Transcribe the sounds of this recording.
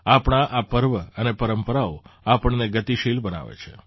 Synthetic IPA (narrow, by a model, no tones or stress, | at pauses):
apəɳ̃aʔapəɾʋəənepəɾəmpəɾaoapəɳneɡət̪iʃilbəna̰ʋḛt͡ʃʰe